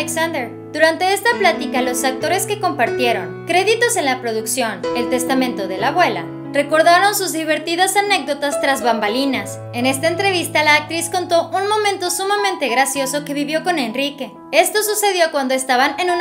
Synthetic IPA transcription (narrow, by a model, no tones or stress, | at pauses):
eksand̪eɾ | d̪uɾant̪e̞est̪aplat̪ikalo̞sak̚t̪o̞ɾe̞ske̞ko̞mpaɾt̪je̞ɾo̞nkɾe̞ðit̪o̞se̞nlapɾo̞ðuksjo̞ne̞lt̪e̞st̪amẽnt̪o̞ð̞e̞laβwe̞la̰ | re̞ko̞ɾðaɾo̞nsuzðiβ̞e̞ɾt̪ið̞asane̞k̚d̪o̞t̪ast̪ɾazβambalinas | e̞ne̞st̪aent̪ɾe̞β̞ist̪alaːk̚t̪ɾisko̞nt̪o̞ʔunmõ̞mẽnt̪o̞sumamẽ̞nt̪e̞ɣɾasjo̞so̞ke̞βiβjo̞ko̞ne̞nrike̞ | e̞st̪o̞suse̞ð̞jo̞kwand̪o̞e̞st̪aβane̞nũn